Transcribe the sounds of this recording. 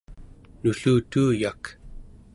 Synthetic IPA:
nuɬuːt̪uːjak

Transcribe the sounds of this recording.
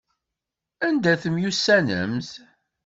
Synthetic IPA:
ænd̪æθəmjusːænə̰mθ

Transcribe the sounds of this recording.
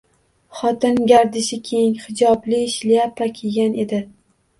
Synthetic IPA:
χɒt̪ʰɪnɡʲaɾd̪ɪʃɪkʲʰe̞jŋhɪd͡ʒɒblɪʃlijapʰːakʲʰeɡʲanʔe̞d̪ɪ

